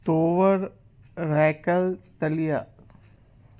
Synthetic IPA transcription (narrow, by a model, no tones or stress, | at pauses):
t̪oːʋəɾ | ɾɛːkəlt̪ɐlija